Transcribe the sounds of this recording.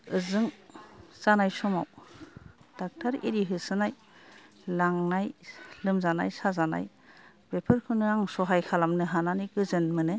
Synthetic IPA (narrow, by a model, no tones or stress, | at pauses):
ɯzɯŋzanajsɔma̰w | d̥ak̚taɾḭɾiɦɯsɯnaj | laŋnajlɯmzanajsazana̰j | bepʰɯɾkʰɯnɯaŋsɔɦajkʰalamnɯɦananiɡɯzɯnmɯnɯ